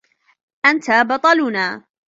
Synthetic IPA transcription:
ʔant̪aːbɑt̪ˤɑlʊnaː

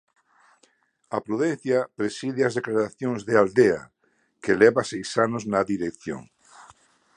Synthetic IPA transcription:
ɐpɾuðɛn̟θjɐpɾesiðɪazðeklaɾaθjoŋzðeald̪ea̰ | kelɛβasejsanoznɐðiɾekθjo̰ŋ

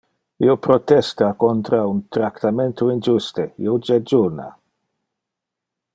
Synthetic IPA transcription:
iopɾɔt̪ɛst̪akɔnt̪ɾaunt̪ɾakt̪amɛnt̪ʰuind͡ʒust̪ejod͡ʒɛd͡ʒuna̰

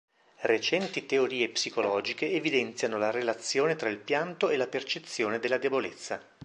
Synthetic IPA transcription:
ret͡ʃɛnt̪it̪eoɾiːepsikolɔːd͡ʒikeːvid̪ɛnt̪sjanolarelat̪sːjoːnet̪ɾailpjant̪oelːapert͡ʃet̪sːjoːned̪elːad̪ebolet̪sːa

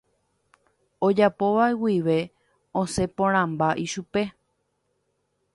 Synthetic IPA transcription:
od͡ʒapo̞ʋaewiʋe̞ | õse̞põɾ̃ãmbaʔiʃupe̞

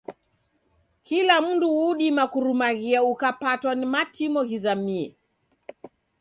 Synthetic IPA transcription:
kilam̩nduuɗimakuɾumaɣiaukapatwanimatʰimɔhizamiɛ

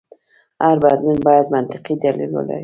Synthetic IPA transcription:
aɾbaɾnɪnbɒjat̪mant̪ʰɪqʰijd̪alɪlbo̰la̰

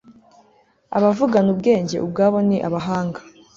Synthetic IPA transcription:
a̰βavuɡanubɡe̞ːɲɟe̞̰ʔub̚ɡaːβo̞niʔa̰βaɦaːŋɡḁ

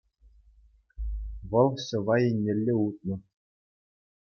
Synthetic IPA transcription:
vɤ̆lˠɕɤ̆ʋɑjenʲːɘ̆lʲːeut̪̚nɤ̆

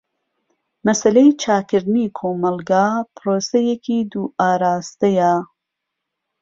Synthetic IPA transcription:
mɐsɐlejt͡ʃʰaːkɨɾd̪niːkʰoːmɐlɡaːpɾoːsɐjekʰiːd̪uːʔaːɾaːst̪ɐja

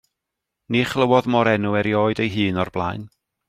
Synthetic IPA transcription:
niχlˠəwɔðmɔɾɛnuɛɾjoːɨdejɦɨːnɔrblˠajn

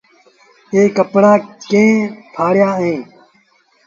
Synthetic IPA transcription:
eːkəpɽaːkẽːp̪ʰaːɽjaːẽː

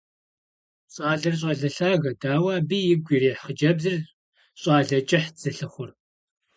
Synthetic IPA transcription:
ɕʼɑːɮɐrɕ̬ʼɐɮɐɬaːɣɐdaːwaːbiːjɪɡʷiːriːħχəd͡ʒɐbzɨr | ɕʼɑːɮɐt͡ʃʼɪħd͡z̥ɨɬɨχʷʊr

